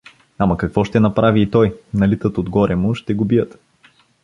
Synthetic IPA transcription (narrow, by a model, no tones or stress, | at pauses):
amɐkɐkv̥ɔʃt̪ɛnɐpɾaviːt̪ɔjnɐlit̪ət̪od̪ɡɔɾʔɛmʊʃt̪ɛɡobijət̪